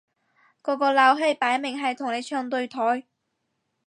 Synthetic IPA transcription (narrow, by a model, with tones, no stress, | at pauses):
kɔː˨˥kɔː˧laː˨˥wɦe˧jpaː˨˥jmɪ˨ŋɦɐ˨jt̪ʰʊ˨˩ŋne˨˧jt͡ʃʰœː˧ŋt̪ɵ˧ɥt̪ʰɔː˨˥j